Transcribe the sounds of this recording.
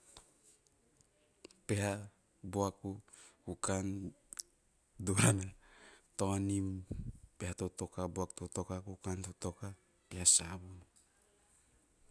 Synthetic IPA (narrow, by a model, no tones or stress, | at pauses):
peha | boakukukan | duanatonimpehatotokaboaktotokakukantotoka | pehasabun